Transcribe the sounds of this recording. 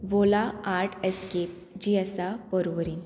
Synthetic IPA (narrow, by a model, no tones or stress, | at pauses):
ʋolaaɾʈʰeskep̚ | d͡ʑiəsapəɾʋɾiːn